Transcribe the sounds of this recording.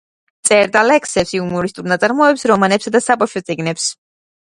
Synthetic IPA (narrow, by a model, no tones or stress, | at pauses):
t̪sʼɛɾd̪alɛksɛpsiumɔɾist̪ʼuɾnat̪sʼaɾmɔɛpsɾɔmanɛpsad̪asabaʃɔt̪sʼiɡnɛps